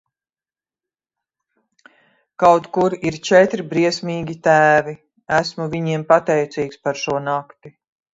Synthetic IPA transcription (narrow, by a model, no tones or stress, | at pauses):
kawt̪kuɾiɾt͡ʃɛt̪ɾibɾiɛsmʲiːɡʲit̪æːvi | æsmuviɲiɛmpat̪ɛjt̪siːkspaɾʃuɔnakt̪i